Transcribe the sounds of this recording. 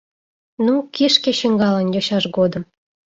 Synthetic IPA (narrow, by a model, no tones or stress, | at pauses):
nukiʃkĕɕə̆ŋɡɑlənjoɕɑʃɡod̪ə̆m